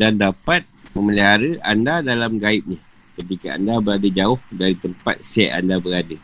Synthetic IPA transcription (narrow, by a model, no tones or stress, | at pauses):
dandapat̪̚məməliɦaɾəʔandadalamɡaɪt̪̚ɲa | kət̪ikaa̰ndabəɾadad͡ʒaʊhdaɾit̪əmpa̰t̪̚sɛʔa̰ndabəɾada